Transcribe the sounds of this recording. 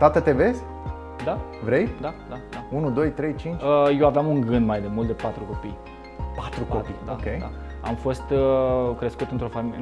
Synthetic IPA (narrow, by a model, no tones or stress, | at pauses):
t̪at̪ət̪eve̞zʲ | d̪avɾejd̪ad̪ad̪aunud̪o̞jt̪ɾe̞jt͡ʃint͡ʃəjewaveamuŋɡɨnd̪majd̪emult̪̚d̪epat̪ɾuko̞pij | pat̪ɾukopid̪oakʲejd̪a̰ | a̰mfo̞st̪əkɾe̞skut̪ɨnt̪ɾo̞famil